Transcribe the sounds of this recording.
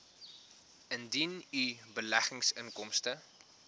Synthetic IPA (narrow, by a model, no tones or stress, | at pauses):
əndinybəlæχəŋsəŋkɔmstə